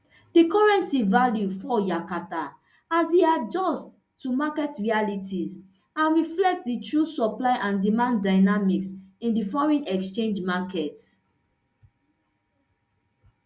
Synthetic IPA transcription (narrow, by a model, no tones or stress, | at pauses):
d̥ikɔɹɛ̃nsivaljufɔjakata | aziad͡ʒɔstː | umakɛtɹialitʰiz | ãnɹiflɛk̚t̚ditʰɹusɔplaɪʔãndimãndaɪnamiksĩndifɔɹɛ̃nɛkst͡ʃẽnd͡ʒmakɛt